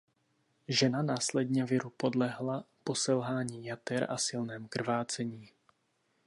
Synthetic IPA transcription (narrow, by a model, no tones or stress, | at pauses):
ʒɛnanaːslɛd̪ɲɛvɪɾupo̞dlɛɦlapo̞sɛlɦaːɲiːjat̪ɛɾʔa̰sɪlnɛːmkr̩vaːt͡sɛɲiː